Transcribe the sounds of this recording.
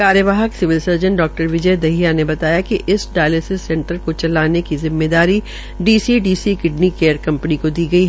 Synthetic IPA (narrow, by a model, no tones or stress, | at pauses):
kaːɾjəʋaːɦəksɪʋɪlsɐɾd͡ʒə̃nɖɔːk̚ʈəɾʋɪd͡ʒəjd̪ɐɦijanebɐt̪aːjakiʔɪsɖaːjleːsɪsːɛ̃ɳʈəɾkot͡ʃɐlaːnekizɪmːeːd̪aːɾi | ɖiːsiɖiːsikɪɖnikeːɾkɐ̃mpənikod̪iːɡɐiɦ